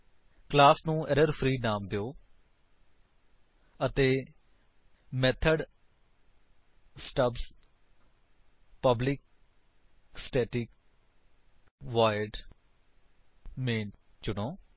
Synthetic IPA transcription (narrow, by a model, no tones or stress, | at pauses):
klaːsnũːɛɾəɾpʰɾiːnaːmd̪eoː | ət̪eː | mɛːt̪ʰəɖ | sʈəbs | pəblɪk̚ | sʈɛːʈɪk | ʋaːjɪɖ | mẽːn | t͡ʃʊɽoː